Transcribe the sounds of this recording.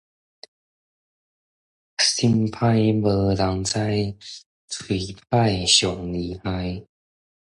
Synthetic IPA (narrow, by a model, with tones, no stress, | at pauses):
si˧npʰa˥˧jbɤ˧la˧˦ŋt͡sa˥˧˦j | t͡sʰwi˨˩p̚ʰa˥˧jɕjɔ˨˩ŋli˨˩ha˧˥j